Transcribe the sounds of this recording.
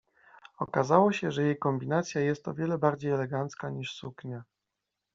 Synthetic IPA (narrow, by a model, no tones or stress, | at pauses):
ɔkazawɔɕɛʐɛjejkɔmbʲinat̪sʲjajɛst̪ɔ̰vʲjɛlɛbaɾd͡ʑejɛlɛɡant̪skaɲiʂsukɲa